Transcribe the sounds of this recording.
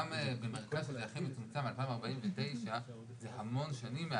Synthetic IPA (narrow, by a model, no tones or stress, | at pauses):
mbemeʁkazʃezeaχemet͡sumt͡samalpaimaʁbaʔimvete̞jʃa | zehamo̞nʃanimːe